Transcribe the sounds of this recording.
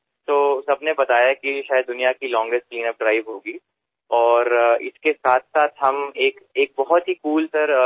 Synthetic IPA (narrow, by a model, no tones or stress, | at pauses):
t̪oːsɐbnebɐt̪aːjakiʃaːjəd̪ːʊnijakilɔ̃ːŋɡesʈ̚kliːnəp̚ɖɾaːɪʋɦoːɡiː | ɔːɾɪ̰skesaːt̪ʰsaːt̪ʰɦɐmeːkeːk̚bɐɦɔt̪ɦikuːlt̪ɐɾ